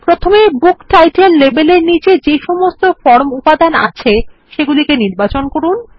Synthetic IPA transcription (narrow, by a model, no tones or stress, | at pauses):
pɾot̪ʰomebukʈajʈelːebeleɾnit͡ɕed͡ʑeʃɔmost̪ofɔɾmupad̪ana̰t͡ɕʰeʃeɡulikeniɾbat͡ɕonkoɾun